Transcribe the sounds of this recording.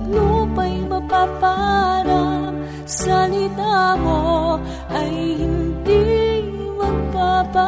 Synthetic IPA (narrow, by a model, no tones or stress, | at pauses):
lupɐjmɐpapaɾa | sɐlɪt̪amo | ʔɐjhɪnd̪i | mɐɡ̚papa